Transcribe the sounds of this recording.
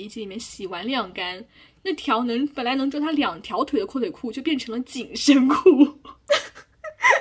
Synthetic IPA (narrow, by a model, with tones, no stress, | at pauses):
i˧˥t͡ɕi˥li˨˩mjɛ˥˩nɕi˨˩wa˧˥nljɑ˥˩ŋka˥n | na˥˩t̪ʰjɑ˧˥ʊnɤ˧˥ŋpə˨˩nla˧˥n˧˥ŋʈ͡ʂwɔ˥˧˩t̪ʰa˥ljɑ˨˩ŋt̪ʰjɑ˧˥ʊt̪ʰwe˨˩ɪə˦kʰwɔ˥˩lʰe˨˩ɪkʰu˥˧t͡ɕjo˥˧ʊp̬jɛ˥˩nʈ͡ʂʰɤ˧˥ŋlə˧t͡ɕi˨˩ŋʂə˥nkʰu˥˩